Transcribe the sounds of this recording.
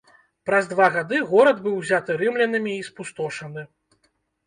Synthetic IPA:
pɾɐzd̪vaɣad̪ɨɣɔɾɐd̪bɨwzʲat̪ɨɾɨmlʲɛnɨmʲiːspust̪ɔʂɐnɨ

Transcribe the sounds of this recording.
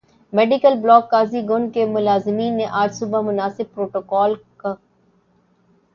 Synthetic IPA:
meːɖikəlblɔːkːaːziɡʊnkemʊlaːzɪmiːnːeʔaːɾsuːbamʊnaːsɪb̚pɾoːʈoːkɔːlka

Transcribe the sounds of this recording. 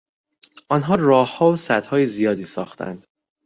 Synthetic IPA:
ʔɒnɦɒːrɒːhhɒːosæd̪̥hɒːjezijɒːd̪iːsɒ̰ːxt̪ʰæ̰nd̪̥

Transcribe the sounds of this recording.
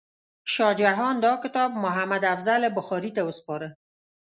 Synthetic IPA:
ʃɑd͡ʒaɦɔnd̪ɒkɪt̪ɑb̚mʊɦamad̪afzalebʊxɔɾit̪awəspɔɾə

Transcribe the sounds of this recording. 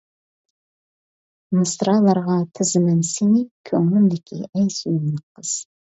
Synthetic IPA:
mɨst̪ɾɑlˠɑɾʁɑt̪ʰɪzɪmɪnsenikʲʰɵŋlɪmd̪ɪkʲʰḭʔæjsyjɪmnɪqʰəz̥

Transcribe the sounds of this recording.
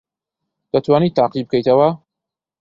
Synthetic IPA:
d̪̥ɐt̪waːnit̪ːaːqibɨkʰɐjt̪ɐwɐ

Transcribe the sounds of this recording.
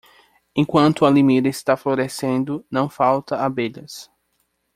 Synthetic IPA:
ẽkwɐ̃nt̪ʊɐlimid̪ɐɪst̪afloɾesẽnd̪ʊnɐ̃w̃fawt̪ɐabeʎɐs

